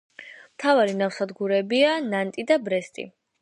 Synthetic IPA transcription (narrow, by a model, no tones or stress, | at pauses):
mt̪ʰavaɾinafsad̪ɡuɾɛbianant̪ʼid̪abɾɛst̪ʼḭ